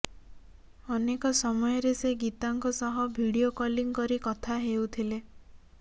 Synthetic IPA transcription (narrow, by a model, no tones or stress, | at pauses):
ɔnekɔsɔmɔjɔɾeseɡit̪aŋkɔsɔɦɔbʱiɽiokɔliŋkɔɾikɔt̪ʰaɦewt̪ʰile